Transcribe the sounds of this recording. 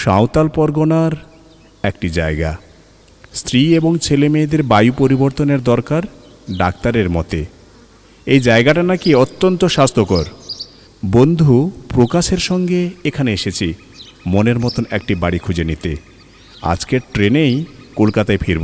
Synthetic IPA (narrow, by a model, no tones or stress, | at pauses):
ʃa̰wt̪alpɔɾɡonaɾ | ɛkʈid͡ʑaeɡa̰ | st̪ʰɾieboŋt͡ɕʰelemeːd̪eɾbajupoɾiboɾt̪oneɾd̪ɔɾkaɾ | ɖak̚t̪aɾeɾmɔt̪e | ejd͡ʑaeɡaʈanakiot̪ːont̪oʃast̪ʰokoɾ | bond̪ʱupɾokaʃeɾʃɔŋɡeekʰaneeʃet͡ɕʰi | moneɾmɔt̪onɛk̚ʈibaɽikʰud͡ʑenit̪e | a̰d͡ʑkeɾʈɾenejkolkat̪aefʰiɾbo̰